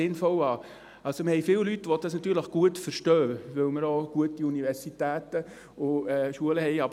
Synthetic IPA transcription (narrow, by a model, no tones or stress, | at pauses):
ɪnfɔlɑː | ɑlsoməhɛɪfɪːwlytːʋɔdɑsnɑt̪yːɾləχɡ̥uətfəɾʃtœːʋɵwməɾɔɡ̥uətiunivɛɾsitæːt̪ə | ʊɛːʃuələhɛjɑb